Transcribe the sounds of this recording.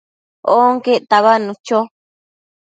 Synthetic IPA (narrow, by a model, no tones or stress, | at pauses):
oŋkeʔt̪aβanũt͡ʃo